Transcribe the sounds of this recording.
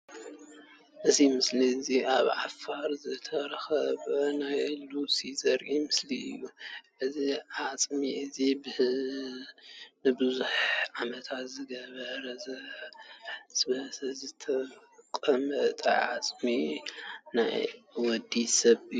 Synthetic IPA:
ʔɨzimɨsliziʔaβʕafaɾzɨt̪ʰɐɾxɐβɐnajɨlusizɐɾʔimɨsliɨjːuʔɨziʕat͡sʼmiʔɨzibɨ | nɨbɨzuħʕamɐt̪ʰat̪zɨɡɐβɐɾɐzɐ | sbɐszɨt̪ʰɐ | kʼɐmɐt̪ʼɐ̰ʕa̰t͡sʼmi | na̰jwɔd̪isɐβɨju

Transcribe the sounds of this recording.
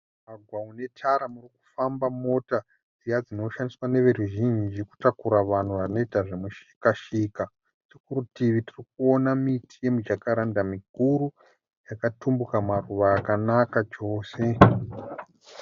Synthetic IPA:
maɡʱwaune̞tʰaɾamuriku̥fambamo̞ta | d͡zijad͡zino̞ʃandiswane̞ʋe̞ɾuʒind͡ʒid͡ʒeku̥takuɾaʋan̤uʋano̞itaʐemuʃi̥kaʃika | tikuɾutiʋitirikuo̞namitʰi̥je̞mud͡ʒakaɾandamikuɾu | jakatumbukamaruʋaːkanakat͡ʃo̞ːse̞

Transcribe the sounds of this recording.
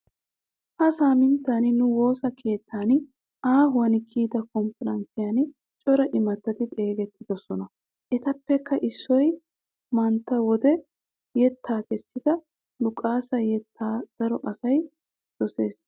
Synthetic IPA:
hɐsaːmɪnt̪ːaːnɪnʊwo̞ːsɐkʰe̞ːt̪ːaːnɪ | aːɦʊɐnɪkʰiːd̪ɐkɔmfɛɾɐnt͡sɪjɐn | t͡ʃʼɔɾɐʔɪmɐt̪ːɐt̪ɪt̪ʼe̞ːɡɛt̪ːɪd̪ɔsɔnɐ | ʔɛt̪ɐpːɛkːɐʔɪsːɔj | mɐnt̪ːɐwɔd̪ɛ | jɛt̪ːaːkɛsːɪd̪ɐ | lʊkʼːaːsɐjɛt̪ːaːd̪̥ɐɾɔʔɐsɐj | d̪̥ɔse̞ːs

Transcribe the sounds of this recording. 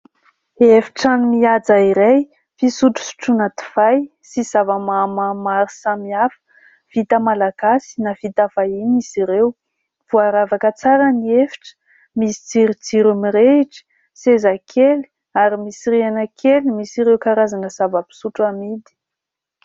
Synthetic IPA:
efi̥ʈ͡ʂanimiad͡zaiɾaj | fisuʈ͡ʂu̥su̥ʈ͡ʂunat̪i̥v̥aj | sizavəmamamaɾisamiafə̥ | v̥it̪əmalaɡ̥asi̥nav̥it̪av̥ajiniziɾew | v̥uaɾavakət͡saɾəniefi̥ʈ͡ʂə̥ | misi̥d͡ziɾid͡ziɾumiɾeiʈ͡ʂi̥ | sezakʰeli̥ | aɾimisiɾianəkʰelimisiɾewkaɾazanəz̥avapi̥suʈ͡ʂamid̪i̥

